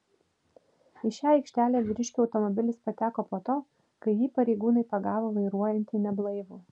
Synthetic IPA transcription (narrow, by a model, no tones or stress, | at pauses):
ɪʃʲæːɐɪkʃʲt̪ʲæːlʲæːʋʲɪɾʲɪʃʲkʲuːɒʊt̪ɔmɔbʲɪlʲɪspɐt̪ʲæːkoːpoːt̪oː | kɐɪjiːpɐɾʲɛɪɡuːnɐɪpɐɡɑːʋoːʋɐɪɾuɔjɛnʲt̪ʲiːnʲɛblˠɐɪʋuː